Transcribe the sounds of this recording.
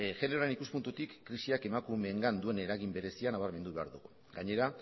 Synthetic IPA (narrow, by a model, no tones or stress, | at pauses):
ʝe̞ne̞ɾoɾe̞nikuspunt̪ut̪ikːɾisiake̞makume̞ːŋɡand̪ue̞ne̞ɾaɣimbe̞ɾe̞sianaβaɾme̞nd̪uβe̞a̰ɾðuɣu | ɡaɲe̞ɾa